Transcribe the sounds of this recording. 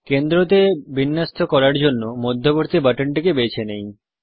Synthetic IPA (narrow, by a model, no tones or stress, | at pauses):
kend̪ɾot̪̬ebinːast̪ʰokɔɾaɾd͡ʑonːomod̪ʱːoboɾt̪ibaʈoɳʈikebet͡ɕʰenej